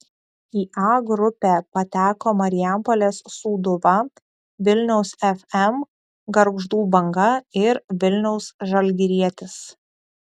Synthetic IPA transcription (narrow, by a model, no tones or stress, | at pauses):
iːʔɑːɡɾʊpʲæːpɐt̪ʲæːkoːmɐɾʲɪjæmpɔlʲeːssuːd̪ʊʋɐ | ʋʲɪlʲnʲɛʊsɛfɛm | ɡɐɾɡʒd̪uːbɐŋɡɐɪɾʋʲɪlʲnʲɛʊsʒɐlʲɡʲɪɾʲiɛt̪ʲɪs